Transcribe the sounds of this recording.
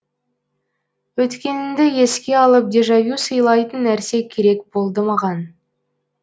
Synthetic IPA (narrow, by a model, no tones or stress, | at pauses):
wɵt̪kʲe̞nɪnd̪ɪje̞skʲe̞ɑlˠəp̚d̪e̞ʒɑvusəjlˠɑjt̪ənːæɾse̞kʲʰe̞ɾe̞k̚bo̞lˠd̪əmɑʁɑn